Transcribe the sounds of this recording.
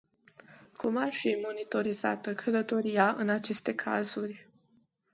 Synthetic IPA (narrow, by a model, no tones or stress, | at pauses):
kʰumarfimo̞nit̪o̞ɾiza̰t̪əkʰələt̪o̞ɾijaʔɨnat͡ʃe̞st̪e̞kʰa̰zurʲ